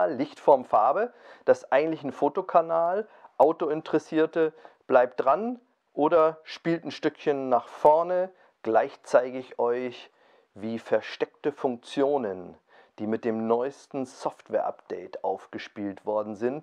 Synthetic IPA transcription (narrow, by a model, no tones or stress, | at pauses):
ɪçtfɔɐmfaɐbəd̥asʔaɪɡŋ̩tlɪçn̩foːtokʰanaːl | ʔaʊtoɪntəʁɛsiːɐtə | b̥laɪp̚t̚d̥ʁan | ʔoːɾɐʃpiːltn̩ʃtʏkçənːaːχfɔɐnə | ɡ̥laɪçt͡saɪɡəɪçʔɔʏç | viːfɛɐʃtɛk̚təfʊŋk̚t͡sjoːnən | d̥iːmɪt̚d̥eːmnɔʏstn̩sɔftv̥ɛːɐʔa̰pd̥ɛɪtʔaʊfɡ̥əʃpiːltv̥ɔɐdn̩zɪnt